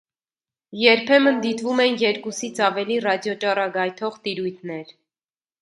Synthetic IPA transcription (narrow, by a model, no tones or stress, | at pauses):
jɛɾpʰɛmənd̪it̪vumɛnjɛɾkusit͡sʰɑvɛlirɑd̪jɔt͡ʃɑrɑɡɑjt̪ʰɔʁt̪iɾujt̪ʰnɛɾ